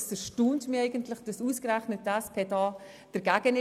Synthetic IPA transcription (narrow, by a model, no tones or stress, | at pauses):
səʃtuːntmiɛɪɡəntlɪχd̥ɑsuːskɾæχnətːɛspʰeːdɑː | d̥əɾɡæːɡənɪ